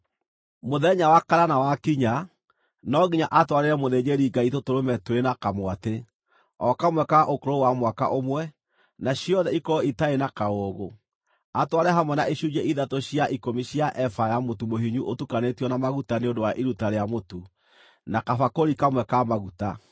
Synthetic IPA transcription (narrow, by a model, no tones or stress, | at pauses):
moðɛɲawakaɾanawakiɲa | nɔɣiɲaʔatwaɾeɾɛmoðeɲeɾiɡaitotoɾomɛtwɾenakamwate | ɔkamwɛkaʔokoɾowamwaka̰ʔomwɛ | naɕiɔðɛikɔitaenakaoɣo | atwaɾɛɦamwɛnaʔiɕud͡ʒɛʔiðatoɕijaʔikomiɕiaʔɛfajamotumoɦiɲuʔotukanetiɔnamaɣutaneondowaʔiɾutaɾeamotu | nakafakoɾikamwɛkamaɣuta